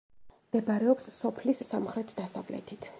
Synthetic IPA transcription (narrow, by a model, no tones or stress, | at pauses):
md̪̥ɛbaɾɛɔpssɔpʰlisːamχɾɛt̪ʰd̪asavlɛ̰t̪ʰit̪ʰ